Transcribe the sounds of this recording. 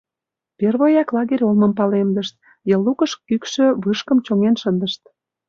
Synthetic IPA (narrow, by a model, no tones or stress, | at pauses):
perβojɑklˠɑɣeɾʲolmə̆mpɑlemd̪əʃt̪̚ | jəlːukəʃkykʃø̆βɯʃkəmt͡ɕoŋenʃənd̪əʃt̪̚